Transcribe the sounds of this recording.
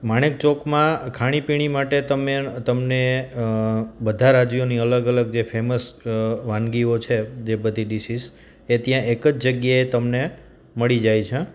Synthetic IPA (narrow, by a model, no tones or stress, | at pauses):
maɽ̃ek̚t͡ʃokmãkʰaɽ̃ipiɽ̃imaʈet̪əmet̪əmne | bəd̪ʱaɾad͡ʒjoniələɡələɡ̚d͡ʒefʰeməsʋãnɡiot͡ʃʰed͡ʒebəd̪ʱiɖisis | et̪jãekəd͡ʒd͡ʒəɡjaet̪əmne | məɭid͡ʒajt͡ʃʰe